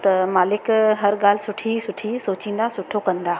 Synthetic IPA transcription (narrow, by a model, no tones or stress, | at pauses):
t̪ɐmaːlɪkɦɐɾɠaːl̤ɪsʊʈʰisʊʈʰisoːt͡ɕĩːn̆d̪asʊʈʰokɐ̃nd̪aː